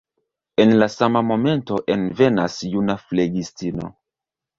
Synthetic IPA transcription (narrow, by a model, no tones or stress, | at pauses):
e̞nlasamamo̞me̞nto̞ʔe̞nve̞nasjunafleɡistino̞̰